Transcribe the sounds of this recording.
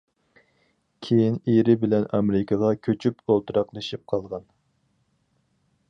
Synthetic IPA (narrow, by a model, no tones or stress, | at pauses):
kʲʰejineɾɪbɪlɛnɑmɾɪkʰɑʁɑkʲʰøt͡ʃʰypʰolˠt̪ɨɾɑqlˠɨʃip̚qʰɑlˠʁɑn